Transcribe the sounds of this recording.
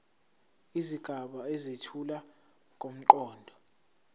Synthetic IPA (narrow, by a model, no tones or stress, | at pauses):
iziɡ̥ʱaɓaezetʰula | kʼom̩ǃɔːndʱɔ